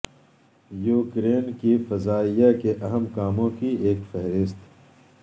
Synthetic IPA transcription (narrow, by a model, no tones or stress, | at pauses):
juːkɾeːnkifɐzaːijakeʔɐɦəmkaːmõkieːkfɛɦɾɪst̪